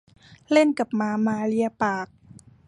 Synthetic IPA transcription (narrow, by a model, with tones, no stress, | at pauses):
le˥˩nka˨˩p̚maː˧maː˧˦li˧˩əpaː˨˩k̚